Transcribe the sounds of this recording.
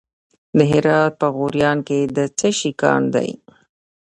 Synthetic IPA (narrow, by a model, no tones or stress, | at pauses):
d̪əɦɪɾɑt̪̚pəɣoɾjɑnked̪ət͡səʃikɑ̰nd̪a̰j